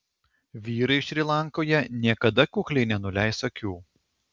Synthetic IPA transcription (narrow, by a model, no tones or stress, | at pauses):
ʋʲiːɾɐɪʃʲɾʲilˠɑˑŋkoːjɛnʲiɛkɐd̪ɐkʲuːklʲɛɪnʲɛnʊlʲæˑɪsɐkʲuː